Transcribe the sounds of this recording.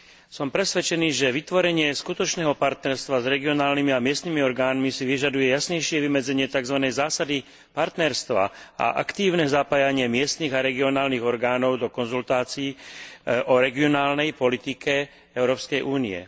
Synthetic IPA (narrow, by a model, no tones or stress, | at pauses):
sɔmpɾɛsʋɛt͡ʃɛniːʒɛʋit̪ʋɔɾɛɲɪɛskut̪ɔt͡ʃnɛːɦɔpaɾt̪nɛɾst̪ʋazɾɛɡiɔnaːlnimiamɪɛst̪nimiɔɾɡaːnmisiʋiʒad̪ujɛjasɲɛjʃɪɛʋimɛd͡zɛɲɪɛt̪aɡzʋanɛjzaːsad̪i | paɾt̪nɛɾst̪ʋa̰a̰ʔa̰kt̪iːʊnɛzapaːjaɲɪɛmɪɛst̪niːɣaɾɛɡiɔnaːlniɣɔɾɡaːnɔʊd̪ɔkɔnzult̪aːt͡siiː | ʔɔɾɛɡiɔnaːlnɛjpɔlit̪ikɛ | ɛʊɾɔːpskɛjʔuːniɛ̰